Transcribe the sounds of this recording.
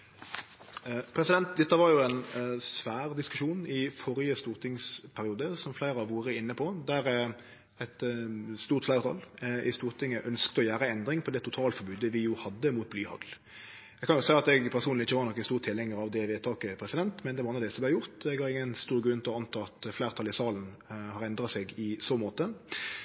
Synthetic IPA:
pʰɾɛsɪd̪ɛnt̪̚d̪ɛt̪ːəʋɑɾjʊɛnsʋæːʁd̪ɪskʉ̥ʂuːnɪfɔɾɪəst̪uːɾt̪ʰɪŋspʰæɾɪuːd̪əsɔmflæɪɾəɑʋuːɾəɪnːəpʰɔd̪æɾ | ɛt̪st̪uːʁflæɪət̪ʰɑ̰lʔɪ̰st̪uːɾt̪ʰɪŋəʔœnskt̪əɔjæːɾəɛnd̪ɾɪŋpʰɔd̪ɛt̪ʰʊt̪ʰɑːləfɔɾbʉːd̪əʋɪjuːhɑd̪ːəmuːt̪̚blyːhɑ̰ɡ̪l | ɛɡkʰːɑnjʊsæɪɑt̪ɛɡpʰæʁʂsuːnlɪɪçːəʋɑɾnɔkːɪst̪uːɾət̪ʰɪlhɛŋːəɾɑʋd̪ɛːʋeːt̪ʰɑːkəpʰɾɛsɪd̪ɛnt̪mɛnd̪ɛʋɑʁɑnɑd̪ɛsmbæɾjʊɾt̪ɛɡhɑːʁɪŋːənst̪uːʁɾɡɾʉnt̪ʰɔɑnt̪ʰɑːɑt̪flæːʁt̪ʰɑlɪsɑːln̩ | hɑːɾɛnd̪ɾɑt̪sɛɡɪsoːmoːt̪ə

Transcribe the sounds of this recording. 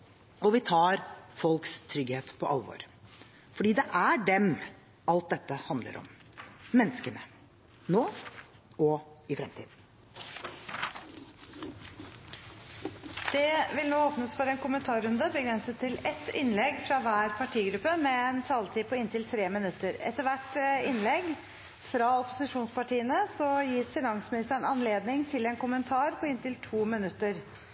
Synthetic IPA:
ɔʋɪt̪ʰɑːɾfɔlkst̪ʰɾʏɡheːt̪pʰɔʔɑlʋo̰ːɾ | fɔɖiːd̪ɛʔæɖɛm | ɑlt̪̚d̪ɛt̪ːəhɑnd̪lə̰ɾʔɔ̰m | mɛnːəskənə | noː | ɔɪfɾɛmt̪ʰḭːd̪n̩ | d̪̥ɛʋɪlnoːoːpnəsfɔɾɛnkʊmənt̪ʰɑːɾʉnd̪əbəɡɾɛnsət̪ʰːɪlɛt̪ːɪnlɛɡfɾɑʋæːɾpʰɑʈʰiːɡɾʉpːəmɛɛnt̪ʰɑlt̪ʰiːpɔɪnt̪ɪlt̪ʰɾeːmɪnʉt̪ːəɾɛ̰t̪ːəʋæʈːɪnlɛɡ | fɾɑɔpʊsɪʂuːnspɑʈiːənəsɔjiːsfɪnɑŋsmɪnɪst̪əɳɑnleːd̪nɪŋt̪ʰɪlɛːnkʊmənt̪ʰɑːɾpʰɔɪnt̪ɪlt̪ʰuːmɪnʉt̪ːəɾ

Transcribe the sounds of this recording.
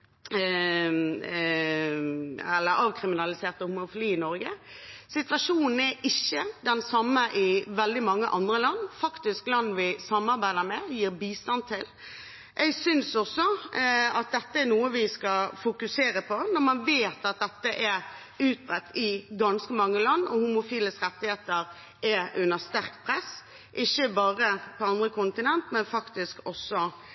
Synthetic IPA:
ɛlːəɾɑʋkʰɾɪmɪnɑlɪseːʁt̪əhʊmʊfʊliːɪnɔɾɡəsɪt̪ʋɑʂuːnn̩ɛɾɪçːəd̪ɛnsɑmːəʔɪʋɛld̪ɪmɑŋːəʔɑnd̪ɾəlɑnːfɑkt̪ɪsklɑnːʋɪsɑmːɑɾbæɪd̪əɾmɛjiːɾbiːst̪ɑnt̪ʰɪl | ʔɛɡsʏnsɔsːɔɑt̪̚d̪ɛt̪ːəæɾnuːəʋɪskɑfʊkʉseːɾəpʰɔnɔʁmɑnʋeːt̪ɑt̪̚d̪ɛt̪ːəʔɛɾ | ʉːt̪̚bʁɛt̪ːɪɡɑnskəmɑŋːəlɑnːɔhʊmʊfiːləsɾɛt̪ːɪheːt̪əɾ | ɛʉnːəst̪æɾk̪pʰʁɛs | ʔɪçːəbɑːɾəpʰɔɑnd̪ɾəkʰʊnt̪ɪnɛnt̪mɛnfɑkt̪ɪskɔsːɔ

